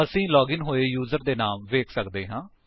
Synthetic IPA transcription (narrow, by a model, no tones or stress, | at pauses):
əsĩːlɔːɡɪnɦoːeːjuːzəɾd̪eːnaːmʋeːkʰsəkd̪eːɦãː